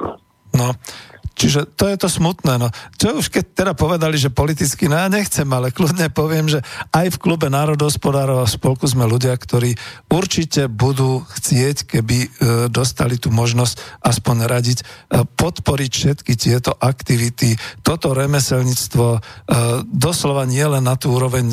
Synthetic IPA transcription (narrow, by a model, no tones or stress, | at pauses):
nɔt͡ʃiʒɛt̪ɔjɛt̪ɔsmut̪nɛːnɔt͡ʃɔuʃkɛc̚t̪ɛd̪apɔʋɛd̪aliʒɛpɔlit̪̬it͡skinɔjaːɲɛxt͡sɛmalɛklud̪ɲɛpɔʋɪɛmʒɛajfklubɛnaːɾɔd̪ɦɔspɔd̪aːɾɔʊafspɔlkuzmɛluɟɪakt̪ɔɾiːuɾt͡ʃicɛbud̪uːxt͡sɪɛckɛbid̪ɔst̪a̰lit̪uːmɔʒnɔscaspɔɲɾaɟicpɔt̪pɔɾicfʃɛt̪kit̪ɪɛt̪ɔʔakt̪iʋit̪it̪ɔt̪ɔɾɛmɛsɛlɲit͡st̪ʋɔ | d̪ɔslɔʋaɲɪɛlɛnːat̪uːuːɾɔʋɛɲ